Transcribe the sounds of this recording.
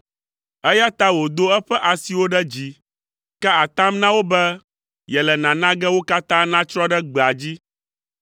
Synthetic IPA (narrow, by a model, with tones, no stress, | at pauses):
ɛ˦ja˦t̪a˦wo˨d̪o˦ɛ˦ɸɛ˦ʔa˨si˨wo˦ɖɛ˦d͡ʑi˨ | kɛ˦a˨t̪ã˦mnã˦wo˦bɛ˦ | jɛ˨lɛ˨nã˨nã˦ɡɛ˦wo˦ka˦t̪ã˦nã˦t͡ʃɾɔ̃˦ɖɛ˦ɡ͡bɛ˨a˨d͡ʑi˦